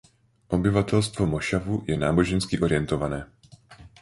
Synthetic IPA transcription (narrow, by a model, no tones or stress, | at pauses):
ʔo̞bɪvat̪ɛlst̪vo̞mo̞ʃavujɛnaːbo̞ʒɛnskɪʔo̞ɾɪjɛnt̪o̞vanɛː